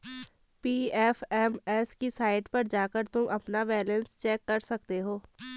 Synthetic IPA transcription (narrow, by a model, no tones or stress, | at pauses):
piːɛːfʰɛːmɛːskisaːɪʈpɐɾd͡ʒaːkəɾt̪ʊmʔɐpnabɛːlə̃nst͡ʃɛːkːɐɾsɐk̚t̪eɦoː